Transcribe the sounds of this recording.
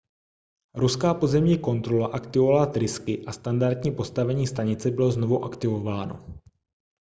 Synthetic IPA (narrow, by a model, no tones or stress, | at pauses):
ɾuskaːpo̞zɛmɲiːko̞nt̪ɾo̞laʔakt̪ɪvovalat̪ɾɪskɪʔast̪andaɾd̪ɲiːpo̞st̪avɛɲiːst̪aɲɪt͡sɛbɪlo̞zno̞vuʔakt̪ɪvo̞vaːno̞̰